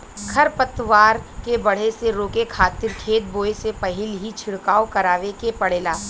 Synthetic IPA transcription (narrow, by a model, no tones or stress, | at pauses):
kʰɐɾpɐt̪ʋaːɾkebɐɽ̤eseɾoːkekʰaːt̪ɪɾkʰeːt̪̚boːesepɐɦɪlɦit͡ʃʰɪɽkaːokɐɾaːʋekepɐɽeːlaː